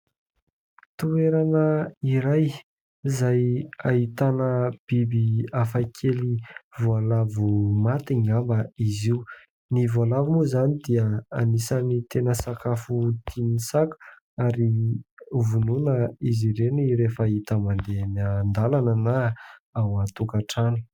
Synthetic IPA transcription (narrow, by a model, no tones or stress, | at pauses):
t̪ueɾanəiɾaj | zajait̪anəb̥ibiafajkʰelivualavumat̪iɲambəiziu | nivualavimuzanid̪iəanisənit̪enəsakafut̪inisaku̥ | aɾi | vununəiziɾeniɾefait̪əmand̪eanand̪alanənaawat̪ukaʈ͡ʂanu̥